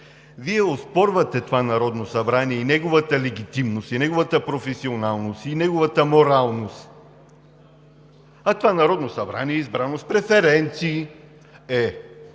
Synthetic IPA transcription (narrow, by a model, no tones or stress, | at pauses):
viɛospɔɾvɐt̪ɛt̪ovanɐɾɔd̪nosɐbɾaniɛinɛɡovət̪əlɛɡ̟it̪imnosinɛɡovət̪əpɾofɛsionalˠnosinɛɡovət̪əmoɾalˠnost̪ | ɐt̪ovanɐɾɔd̪nosɐbɾa̰niɛizbɾanospɾɛfɛɾɛnt̪siː | ɛ